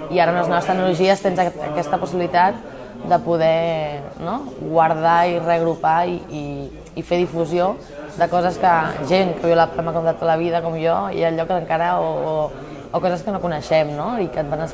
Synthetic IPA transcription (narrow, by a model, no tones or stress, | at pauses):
iaɾəunləznɔβəst̪əɡ̚nuluʒiəst̪enzə̰kɛst̪əpusiβilit̪at̪̚ | d̪əpuðɛnoɣwɐɾð̞airəɣɾupaii | ifeðifuzio | d̪əkɔzəskəʒeŋkəβiwləpamakɔmt̪at̪ðələβ̞iðəkɔmjɔ̰aʎɔkəŋkaɾəoː | kɔzəskənokunəʃɛmnoikəβanəs